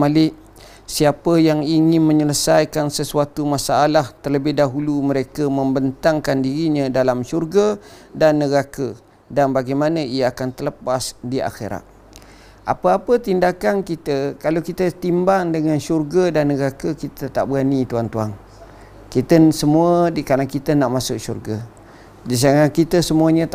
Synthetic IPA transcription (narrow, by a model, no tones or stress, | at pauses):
alɪʔ | siapəjaŋiŋɪnməɲələsajkansəsuat̪umasaːlaht̪ərləbɪhdaɦuluməɾekəməmbənt̪aŋkandiɾiɲə̃dalamʃurɡadanːəɡakə | danbaɡajmanəijaakant̪ələpasdia̰xḛɾa̰t̪̚ | ʔa̰pəapət̪indakankit̪əkalawkit̪ət̪imbaŋdəŋanʃurɡədanːəɡakəkit̪ət̪a̰ʔbəɣanit̪uaŋt̪uaŋ | kit̪əsəmuədikanakit̪ənaʔmãsʊʔʃṵrɡa | d͡ʒis̬aŋakit̪əsəmuəɲə̃t̪